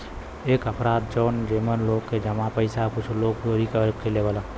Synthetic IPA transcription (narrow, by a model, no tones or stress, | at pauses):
eːkəpʰɾaːt̪̚d͡ʒɔːnd͡ʒeːmənloːɡked͡ʒəmapəɪsakʊt͡ʃʰloːɡoːɾikəɾkʰeleʋəla